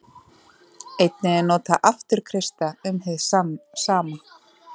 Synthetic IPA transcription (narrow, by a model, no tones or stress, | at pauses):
ejt̪nɪɛnɔːt̪aʔaft̪ʏɾ̥kʰɾɪst̪aʏmɦɛðsaːma